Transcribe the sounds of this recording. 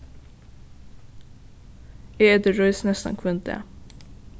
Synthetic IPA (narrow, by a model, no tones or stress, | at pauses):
eːɛd̪eːɹɔʏsnɛst̪ɑ̰nkʰʋœnt̪̚d̪ḛː